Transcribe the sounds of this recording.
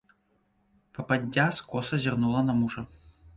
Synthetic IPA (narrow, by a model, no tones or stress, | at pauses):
pɐpadʲːaskɔsɐzʲarnulˠɐnɐmuʐɐ